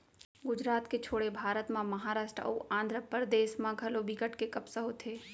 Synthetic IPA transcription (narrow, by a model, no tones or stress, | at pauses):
ɡʊd͡ʒɾaːt̪ket͡ʃʰoːɽebʱaːɾət̪mãmɐɦaːɾaːʃʈɾəuʔãːnd̪ʱɾəpəɾəd̪eːʃmãɡʱɐlobʱikəʈkekɐpsaɦot̪ʰeː